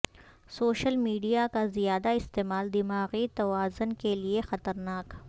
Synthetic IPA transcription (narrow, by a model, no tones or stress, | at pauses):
soːʃəlmiːɖijakazijaːd̪aɪst̪eːmaːld̪ɪmaːɣit̪ɐwaːzʊnkeliexɐt̪əɾnaːk